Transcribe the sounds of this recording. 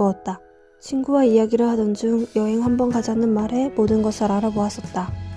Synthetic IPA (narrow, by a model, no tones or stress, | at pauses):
oʌt̚t͈a | t͡ɕʰinɡuwaijaɡiɾɯɭhadʌnd͡ʑuŋjʌɦe̞ŋɦambʌnkad͡ʑanːɯnmaɾe̞modɯnɡʌsʰaɾaɾaboas͈ʌt̚t͈a